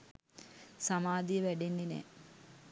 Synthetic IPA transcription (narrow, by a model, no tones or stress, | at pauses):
samaːd̪ijəʋæɖenːinɛ̰ː